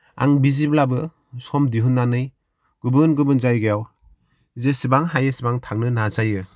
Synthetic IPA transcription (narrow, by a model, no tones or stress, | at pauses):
a̰ŋbiziblabɯ | sɔmdiɦunːanɯj | ɡ̥ubɯnɡɯbɯnzajɡejaw | zesibaŋɦajɯsibaŋtʰaŋnɯnazajɯ